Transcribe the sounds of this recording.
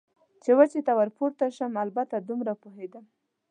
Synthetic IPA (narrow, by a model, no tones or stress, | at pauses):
t͡ʃewat͡ʃet̪awaɾpuɾt̪aʃəmalbat̪ad̪umɾapoɦed̪əm